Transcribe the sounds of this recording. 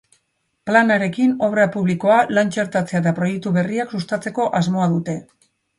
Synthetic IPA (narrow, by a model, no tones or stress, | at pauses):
planaɾe̞kino̞β̞ɾapuβ̞liko̞alant͡ʃe̞ɾt̪at͡se̞at̪apɾo̞je̞k̚t̪uβe̞riaksust̪at͡se̞ko̞ʔazmo̞aðut̪e̞